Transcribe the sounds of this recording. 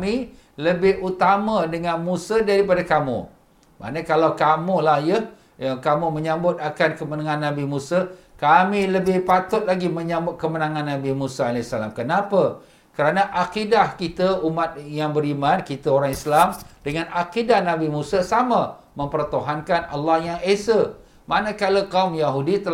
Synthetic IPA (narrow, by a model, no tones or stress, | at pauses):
mi | ləbɪhut̪amadəŋanmũsədaɾipadakamṵ | ma̰nakalawkamulahjə | akamuməɲãmbʊt̪̚akankəmənaŋãnːãbimũsakamiləbɪhpat̪ʊt̪̚laɡiməɲãmbʊt̪̚kəmənãŋãnːãbimusaalɛsala̰mkənapə | kəɾanaʔakidahkit̪əumat̪̚jaŋbəɾimãnkit̪aoɾaŋislamdəŋanakidahnabimũsəsama | mə̃mpərt̪oɦankana̰lːɑhjaŋesə | manəkalakaumjaɦudit̪ə